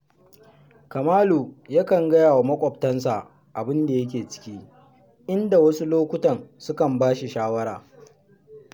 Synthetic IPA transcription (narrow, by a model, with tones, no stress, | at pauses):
kɐ˨maː˦luː˨ja˦kɐ˨ŋɡɐ˦jaː˨wa˨mɐ˦kʷʼɔ˨p̚tɐ˦nsa˨ | ʔa˨bɪ˦nda˨jɐ˦k̬ʲeː˨t͡ʃɪ̥˦kʲiː˦ | ʔɪ˦nda˨wɐ˦su˦loː˦kʷʊ˦tɐ˨nsʊ˦kɐ˨mbaː˦ʃi˨ʃaː˦wɐ˦ɾaː˨